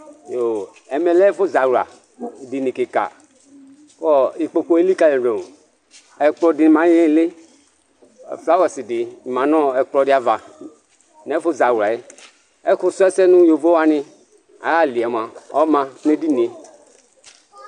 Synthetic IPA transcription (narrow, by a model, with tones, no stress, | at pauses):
jo˨ | ɛ˨me˨lɛ˦fo˦za˨wa̰˨ | di˨ni˨ke˨ka̰˨ | kɔ˦i˨k͡po˨ko˦e˦li˦ka˨le˨ɾo˨ | ɛ˨k͡plɔ˨di˨n˨mã˨˦jɛ̃˦le˦˨ | fla˦wɛ˨si˨dɪ˨mã˨nɔ̃˦ɛ˨k͡plɔ˨dɪ˦a˨va˨ | nɛ˨˦fo˦za˨wa˨e˦ | ɛ˦kʊ˦su˦ɛ˦sɛ˦nũ˦jo˨vo˦wa˦nɪ̃˨ | a̰˨ja˦˨li˨ɛ˨m˨a˨ɔ̰˦mã˨˦ne˦di˦n˨e˨